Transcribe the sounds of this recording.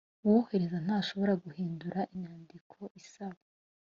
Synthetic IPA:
wuhe̞ɾezan̥haːʃo̞βo̞ɾaɡuhiːnduɾaʔiɲaːndikʰo̞ʔisaβa

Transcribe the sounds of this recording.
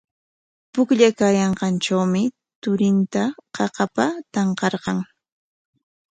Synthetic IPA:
pʊkʎakaːjɑɴqɑnʈ͡ʂawmɪ | t̪ʊɾɪnt̪aqɑqɑpat̪ɑɴqɑɾqɑŋ

